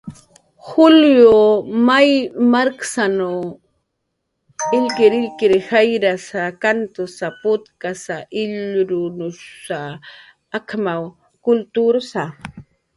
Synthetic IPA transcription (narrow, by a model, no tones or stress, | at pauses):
xʊljomajmaɾksano | ɪʎkɪɾɪʎkɪɾhajɾasakant̪ʊsapʊt̪kasaʔɪʎɾʊnʊsaː | kʰmaw | kʊlt̪uɾsa